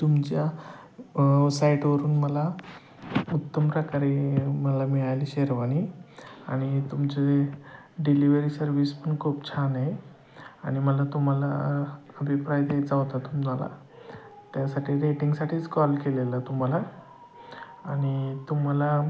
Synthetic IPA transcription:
t̪umt͡ɕja | saiʈʋəɾuːnməla | ut̪ːəmpɾəkaɾeməlamiɭajliːɕeɾʋaniaɽ̃it̪umt͡ɕe | ɖiliʋəɾiːsəɾʋispəɳkʰopt͡ɕʰanej | aɽ̃iməlat̪um̤alaəbʱipɾajd̪ejt͡saɦot̪at̪umala̰ | t̪jasaʈʰiːɾeʈiŋɡsaʈʰiːt͡skɔlkelelət̪um̤ala | aɽ̃it̪um̤ala

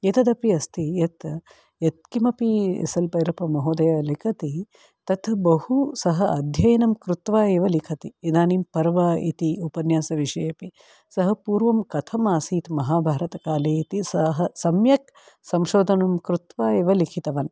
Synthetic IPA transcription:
jet̪ɐd̪ɐpiɐst̪ijɐt̪ | jɐt̪̚kimɐpiḛsɐlpɐjɾɐpɐmɐɦoːd̪ɐjɐlikʰɐt̪i | t̪ɐt̪bɐhusɐɦɐʔɐd̪ʱjɐjɐnɐmkɾut̪ʋaːeːʋɐlikʰɐt̪iid̪aːnimpɐɾɐʋaːḭt̪iupɐnjaːsɐʋiʃɐjɐpi | sɐɦɐpuːɾʋɐmkɐt̪ʰɐmaːsiːt̪mɐɦaːbʱaːɾɐt̪ɐkaːleːit̪isɐɦɐsɐmjɐk̚ | sɐmʃoːd̪ʱɐnumkɾut̪ʋaːeːʋɐlikʰit̪ɐʋɐn

